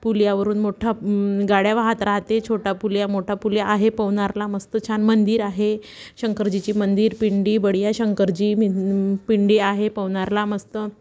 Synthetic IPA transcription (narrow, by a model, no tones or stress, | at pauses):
puljaʋəɾuːnmoʈʰaɡaɽjaʋaɦat̪ɾaɦt̪et͡ɕʰoʈapuljamoʈʰapuljaʔːɦepəʋɳaɾlaməst̪ət͡ɕʰanmənd̪iːɾaɦe | ɕəŋkəɾd͡ʑit͡ɕiːmənd̪iːɾpiɳɖiːbəɽjaɕəŋkəɾd͡ʑiːmipiɳɖiaɦepəʋɳaɾlaməst̪ə